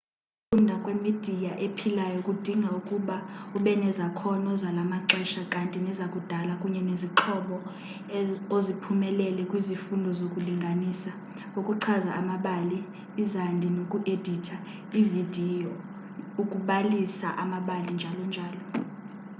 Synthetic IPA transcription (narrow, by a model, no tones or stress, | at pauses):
fundʱakʼwemid̥ʱijaʔepʰilajɔkʼud̥ʱiŋʱaukʼuɓauɓɛnɛzakʰɔnɔzalamaǁɛʃakʼantʼinɛzakʼud̥ʱalakʼuɲɛneziǁʰɔɓɔ | ozipʰumɛlɛlɛkʼwizifundʱɔzokʼuliŋɡʱanisa | okʼuǀʰazaʔamaɓaliː | zandʱinokʼuʔed̥ʱitʰa | ividʱiɔ | ukʼuɓalisa̰ʔamaɓalind͡ʒʱalɔnd͡ʒʱaːlɔ